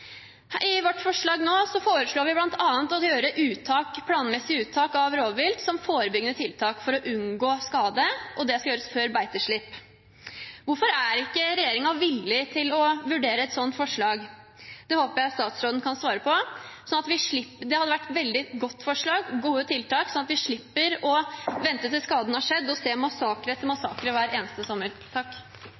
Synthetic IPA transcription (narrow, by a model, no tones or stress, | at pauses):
ɪʋɔʈːfɔʂɭɑːɡnoːsɔfoːɾəʂɭoːɾʋɪblɑnt̪ʰɑːənt̪ɔjøːɾəʔʉːt̪ʰɑːkpʰlɑːnmɛsːɪʉːt̪ʰːɑːkɑʋɾoːʋʋɪlt̪sɔmfoːɾəbʏɡənət̪ʰɪlt̪ʰɑːkfɔɾɔʔʉnɡoːskɑːd̪əʔɔd̪ɛskɑljøːɾəsføːɾbæɪt̪əʂɭɪpː | ʋʊɾfɔɾæɾɪkːəɾɛjeːɾɪŋɑʋɪlːɪt̪ʰɪlɔʋʉɖeːɾəɛt̪sɔnt̪fɔʂɭɑːɡ | d̪̥ɛhoːpəɾjæɪɑt̪st̪ɑːt̪sɾoːd̪n̩kʰɑnsʋɑːɾəpʰɔsɔnɑt̪ʋɪʂɭɪpd̪ɛhɑd̪əʋæʈːʋɛld̪ɪɡɔt̪ːfɔʂɭɑːɡːuːət̪ʰɪlt̪ʰɑːksɔnɑt̪ʋɪʂɭɪpːəɾɔʋɛnt̪ət̪ɪlskɑːd̪n̩hɑʂɛd̪ːɔseːmɑsɑːkɾət̪ʰɪlmɑsɑːkɾəʋæːɾeːnəst̪əsɔmːəɾt̪ʰɑkː